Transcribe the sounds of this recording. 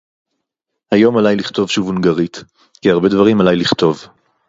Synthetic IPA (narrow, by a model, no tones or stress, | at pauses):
hajo̞malajliχt̪o̞vʃuvunɡaʁit̪ | kiaʁbe̞dvaʁimalajliχt̪o̞v